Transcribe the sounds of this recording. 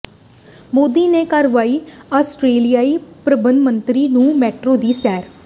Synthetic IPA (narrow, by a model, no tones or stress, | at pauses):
moːd̪iːneːkaɾʋaːiːaːsʈɾeːlijaːiːpɾəbənd̪mə̃nt̪ɾiːnũːmɛːʈɾoːd̪iːsɛːɾ